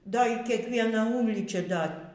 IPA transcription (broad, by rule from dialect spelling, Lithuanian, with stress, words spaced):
ˈdɐ iː kʲiɛkˈʋʲiɛnɐ ˈuːlʲiːt͡ʃʲɛ ˈdɐ